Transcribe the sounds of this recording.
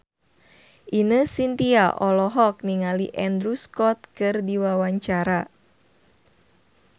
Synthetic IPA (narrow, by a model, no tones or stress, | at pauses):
ʔinəsint̪iaʔɔlɔɦɔk̚niŋaliʔɛnd̪ɾuskɔt̪̚kɨrdiwawaɲt͡ʃaɾa